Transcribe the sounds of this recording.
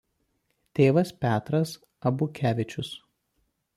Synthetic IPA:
t̪ʲeːʋɐspʲæːt̪ɾɐs | ɐbʊkʲæːʋʲɪt͡ʃʲʊs

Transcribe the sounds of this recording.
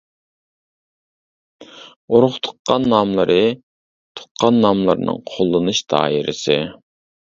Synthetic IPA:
oɾʊχt̪ʰʊ̥qːɑnːɑmlˠɨɾʔɨ | t̪ʰo̥qʰːɑnːɑmlˠɨɾnɨ̰ŋqʰolˠːɨnɨʃd̪ɑ̰ːjiɾʔɪsɨ

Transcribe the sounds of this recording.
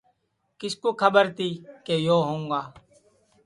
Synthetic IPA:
kɪskoːkʰəɓəɾt̪iːkeːjoːɦõːŋɡaː

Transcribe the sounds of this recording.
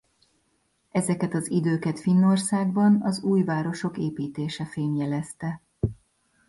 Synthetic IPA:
ɛzɛkɛt̪ɒzid̪øːkɛt̪finːo̞rsaːɡbɒnɒzuːjvaːɾo̞ʃo̞keːpiːt̪eːʃɛfeːɲjɛlɛst̪ɛ

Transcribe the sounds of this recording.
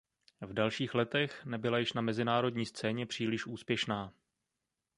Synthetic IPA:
vdalʃiːxlɛt̪ɛxnɛbɪlajɪʃnamɛzɪnaːɾo̞dɲiːst͡sɛːɲɛpr̥iːlɪʃʔuːspjɛʃnaː

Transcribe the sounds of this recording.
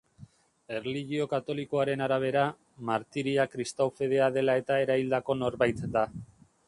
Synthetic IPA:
e̞rliɣio̞kat̪o̞liko̞aɾe̞naɾaβ̞e̞ɾa | maɾt̪iɾiakɾist̪awfe̞ð̞e̞aðe̞lae̞t̪ae̞ɾaild̪ako̞no̞ɾβajt̪d̪a

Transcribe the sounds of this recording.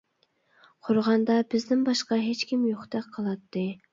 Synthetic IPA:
qʰʊɾʁɑnd̪ɑbɪzd̪ɪnbɑʃqɑɦet͡ʃkʲimjoχt̪ɛqqʰːəlˠɑt̪ʰːɨ

